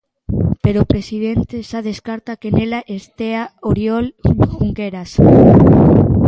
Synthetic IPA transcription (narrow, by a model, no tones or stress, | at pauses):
peɾopɾesiðent̪eʃað̞eskaɾt̪akenelaʔest̪eaoɾjɔlxuŋɡeɾas